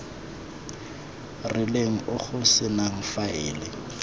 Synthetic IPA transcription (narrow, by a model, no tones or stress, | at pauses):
rɪleŋ̩ʔʊχʊsɪnaŋ̩faɪːlɪ